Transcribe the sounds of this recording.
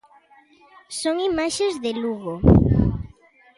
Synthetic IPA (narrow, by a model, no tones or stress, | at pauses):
soŋimaʃezðeluɣo